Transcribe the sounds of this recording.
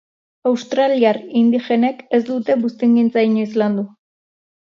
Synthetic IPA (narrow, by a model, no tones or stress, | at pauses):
awst̪ɾaliaɾind̪ixe̞neke̞z̬d̪ut̪e̞bust̪iŋɡint͡saiɲoizland̪u